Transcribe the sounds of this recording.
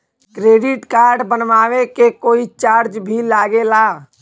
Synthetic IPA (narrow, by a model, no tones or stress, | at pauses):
kɾeːɖɪʈkaːɾɖbənʋaːʋekekoːit͡ʃaːɾd͡ʒbʱilaːɡela